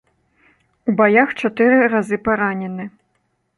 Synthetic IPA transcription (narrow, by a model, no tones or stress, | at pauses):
ubajaxt͡ʂat̪ɨɾɨrazɨpaɾanʲɛnɨ